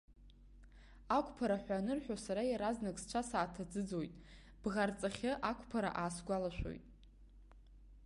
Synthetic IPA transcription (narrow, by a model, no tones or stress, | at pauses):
akʷʼpʰaɾaħʷanɨrħʷᶣosaɾajaɾaznakʼst͡ʃʷʰasaːtʰad͡zɨd͡zo̞jtʼ | b̥ʁart͡sʼaχʲɪʔakʷʰʼpʰaɾa̰ʔaːsɡʷalaʃʷᶣo̰jtʼ